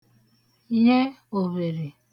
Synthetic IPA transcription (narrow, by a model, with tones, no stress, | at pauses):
je˦o˨βe˨ɾe˨